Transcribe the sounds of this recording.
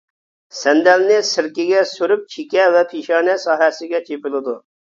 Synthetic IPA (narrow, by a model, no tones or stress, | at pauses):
sɛnd̪ɛlnɪsɪɾkʲɪɡʲɛsøɾyp̚t͡ʃʰikʲɛvɛpʰiʃɑːnɛsɑːɦɛsɪɡʲɛt͡ʃʰepɪlˠɪd̪u